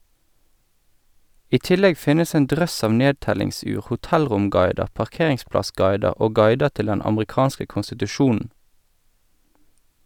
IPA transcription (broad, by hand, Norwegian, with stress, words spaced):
ˈiː ˈtɪlɛɡ ˈfɪnəs ˈeːn ˈdʁœs ˈɑʋ ˈneːdtɛlɪŋˌsʉːʁ hʊˈtɛlʁʊmˌɡɑɪdə pɑʁˈkeːʁɪŋˌsplɑˌsɡɑɪdəʁ ˈoː ˈɡɑɪdə ˈtɪl ˈdɛn ɑmʁɪˈkɑːnskə kʊnsɪtʉˈʃuːn̩